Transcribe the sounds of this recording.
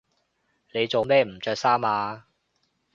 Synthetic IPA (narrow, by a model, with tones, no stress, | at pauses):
ne˨˧jt͡so˨wmɛː˥m̩˨˩t͡ʃœː˧k̚saː˥maː˨˧